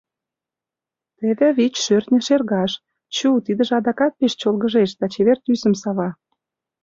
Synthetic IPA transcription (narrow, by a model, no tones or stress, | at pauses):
t̪eβĕβit͡ɕʃørt̪nʲə̆ʃerɣɑʃ | t͡ɕut̪id̪ə̆ʒĕɑd̪ɑkɑt̪̚peʃt͡ɕolɣə̆ʒeʃd̪ɑt͡ɕeβert̪ysə̆msɑβɑ